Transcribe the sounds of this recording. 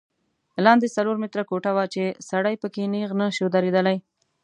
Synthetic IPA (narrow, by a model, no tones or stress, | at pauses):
lɑnd̪esaloɾmɪt̪ɾakoʈawat͡ʃesaɽajpəkeneɣnaʃod̪aɾed̪əlaj